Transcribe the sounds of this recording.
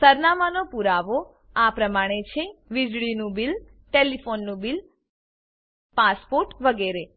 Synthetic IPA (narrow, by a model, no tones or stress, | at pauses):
səɾnamanopuɾaʋo | apɾəmaɽ̃et͡ʃʰeʋid͡ʒɭinũbil | ʈelifonːũbil | paspoɾʈʋəɡeɾe